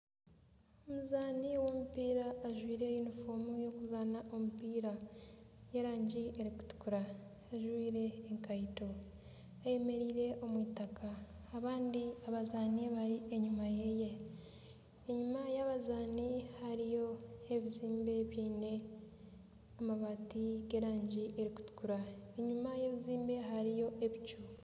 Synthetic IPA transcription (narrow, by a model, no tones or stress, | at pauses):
omuzaːniwo̞mupiːɾaːʒwiːɾe̞junifomujo̞kuzaːnaʔo̞mupiːɾa | jeɾaːɲɟie̞ɾiku̥tu̥kuɾaː | ʒwiːɾe̞ːŋkajito̞ | aje̞me̞ɾiːɾe̞ʔo̞mwiːtakaː | βaːndiaβazaːniβaɾieɲumaje̞je̞ | eɲumajaβazaːnihaɾijo̞eβiziːmbe̞βiːne̞ | amaβatiɡe̞ːɾaːɲɟiʔeɾiku̥tu̥kuɾaeɲumajeβiziːmbe̞ɦaɾijo̞ʔeβit͡ʃu